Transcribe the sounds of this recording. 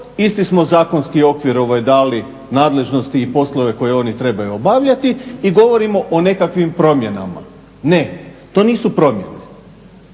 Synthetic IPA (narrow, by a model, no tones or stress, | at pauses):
ist̪ismo̞zaːko̞nskio̞kʋiɾo̞ʋajd̪aːli | naːd̪le̞ʒno̞st̪iːpo̞slˠo̞ʋe̞ko̞je̞o̞nit̪ɾe̞bajuobaʋʎat̪iiɡo̞ʋo̞ɾimo̞ʔone̞kakʋimpɾo̞mje̞na̰ma̰ | ne̞t̪o̞ːniːsupɾo̞mjḛne